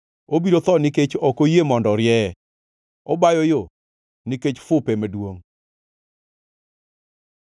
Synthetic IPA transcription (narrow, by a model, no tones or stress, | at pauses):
obiɾot̪ɔnɪket͡ʃɔkojemɔndɔɾjɛɛ | ɔbajɔjo | nɪket͡ʃfʊpɛmadwoŋ